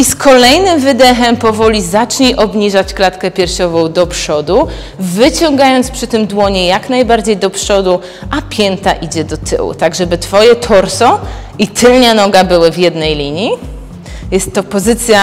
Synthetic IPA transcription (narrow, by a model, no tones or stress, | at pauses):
iskʰɔlɛjnɘmvɘd̪ɛxɛmpɔvɔlʲizat͡ʂɲiʔɔbɲiʐat͡ɕklat̪kɛpʲjɛɾɕɔvɔ̃w̃d̪ɔpʂɔd̪u | vɘt͡ɕɔ̃ŋɡajɔnt̪spʂɘt̪ɘmd̪wɔɲɛjaknajbaɾd͡ʑejd̪ɔpʂɔd̪u | ʔapʲjɛnt̪a̰ʔid͡ʑɛd̪ɔt̪ʰɘ̰wṵt̪aɡʐɛbɘt̪fɔjɛt̪ʰɔɾsɔ | it̪ʰɘlɲanɔɡabɘwɘvjɛd̪nɛjlʲiɲji | jɛst̪ːɔpɔzɘt̪sʲja